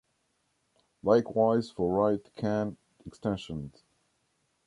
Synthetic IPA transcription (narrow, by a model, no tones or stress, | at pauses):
laɪkwaɪz̥fəɹaɪtkʰæ̃nt | ɨkstɛ̃nʃə̃nz̥